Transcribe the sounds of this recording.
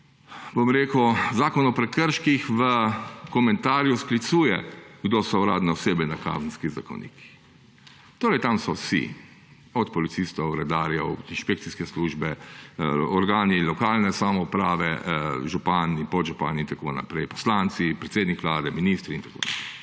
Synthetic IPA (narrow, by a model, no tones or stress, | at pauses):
bomɾeːkəwzaːkɔnɔpɾɛkəɾʃkixʋəkɔmɛ̃nt̪aːɾjusplit̪suːjɛɡd̪osɔuɾa̰ːd̪nɛɔseːbɛnaka̰ːzn̩skizako̰wnḭːkʰi̥ | t̪oːɾɛjt̪amsɔsḭ | ɔt̪pɔlit̪sist̪ɔwɾɛd̪aːɾjɛinʃpekt̪siskɛsluːʒbɛ | ɔɾɡaːnilɔkaːlnɛsamɔupɾaːʋɛ̰ʒupanipɔʒupa̰nint̪ako̰ːna̰pɾɛjpɔ̥slant̪sipɾɛt̪seːd̪nikʋlaːd̪ɛminist̪ɾiint̪ḁko̰ːnapɾɛɪ